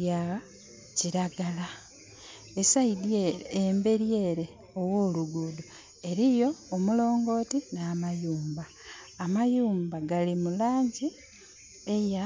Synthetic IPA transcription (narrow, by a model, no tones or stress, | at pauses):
ja | ciɾaɡala | esaidembe̞ɾje̞ːɾe̞ | o̞wo̞ːluɡudu | e̞ɾijo̞ːmulo̞ːŋɡo̞ːtinaːmajuːmbaː | majuːmbaɡalimulaːɲɟi | eja